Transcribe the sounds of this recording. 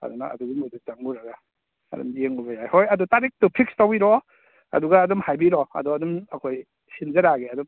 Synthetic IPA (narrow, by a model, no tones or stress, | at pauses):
ɐ̰duna̰ɐ̰duɡuŋudut͡ʃaŋuɾaɡa̰ː | dṵmdijeŋubajajhojɐdutaɾik̚tupʰik̚stawiɾɔ | ɐ̰duɡaːdɔmhajbiɾɔɐ̰dɔɐdɔmɐkʰoj | sinzɐɾaɡeɐdɔm